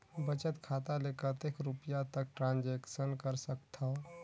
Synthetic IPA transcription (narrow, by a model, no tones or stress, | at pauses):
bət͡ʃət̪kʰaːt̪aleːkət̪ekɾʊpjat̪ək̚ʈɾãːnd͡ʒeːkʃənkəɾsəkt̪ʰa